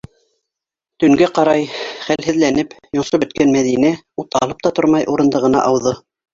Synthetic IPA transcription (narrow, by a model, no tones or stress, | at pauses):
t̪ɵ̆ŋɡæqɑɾɑjχælhɘ̆ðlænɘpjŏɴʃɤbɵ̆t̪̚kænmæðinæ | ut̪ɑ̰lˠɤp̚t̪ɑt̪oɾmɑjʔuɾɤ̆nd̪ɤʁɤ̆nɑ̰ʔɑwðɤ